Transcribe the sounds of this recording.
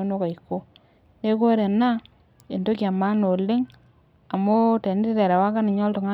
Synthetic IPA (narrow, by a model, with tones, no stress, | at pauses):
o˦no˦ka˨iko˦ | ne˦ko˦ɾe˨na˦ | e˨ndo˦ka˨ma˦no˨le˦ŋ | a˨mo˦te˨n˦te˦tɛ˨ɾa˨wa˦ka˦nɪ˨ɲɔ˦lto˨ŋa˦